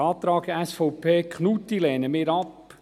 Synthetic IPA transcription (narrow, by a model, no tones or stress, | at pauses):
ɑːt̪ɾɑːɡəæsfɔʊpʰeːkχnut̪ilɛːnəmɪːɾɑp